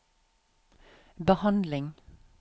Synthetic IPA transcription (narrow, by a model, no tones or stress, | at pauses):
bəhɑnd̪lɪŋ